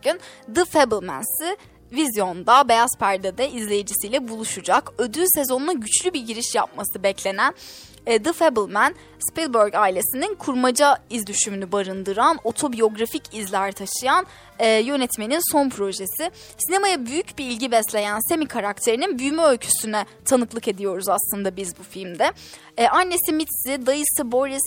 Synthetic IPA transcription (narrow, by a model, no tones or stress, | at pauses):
ynd̪ɯfeblˠmæ̰nsɪ | vizjo̞nd̪abe̞jaspʰæɾd̪ad̪ɛizlʲe̞jid͡ʒisijlʲɛbulˠuʃud͡ʒakød̪yse̞zo̞nnaɟyt͡ʃlʲybiɾɟiɾiʃja̰p̚masɯbɛclʲe̞nænː | d̪ɯfeblˠmæn | spilˠbøɾɟaːilʲe̞sininkʰuɾmad͡ʒaizd̪yʃymynybaɾɯnd̪ɯɾano̞t̪ʰo̞bijo̞ɡɾaficʰizlʲæɾt̪ʰaʃɯjan | ɛːjø̞nɛt̪ʰme̞ninso̞npʰɾo̞ʒe̞sɪ | sine̞majabyjycbiilʲɟibɛslʲe̞jænse̞mikʰaɾak̚t̪ʰe̞ɾininbyjymɛølʲcʰy̥synɛ | t̪ʰanɯklˠɯke̞d̪ijo̞ɾuzaslˠɯnd̪abizbufilʲmd̪ɛ | ʔanːesimit̪sid̪ajɯsɯbo̞ɾis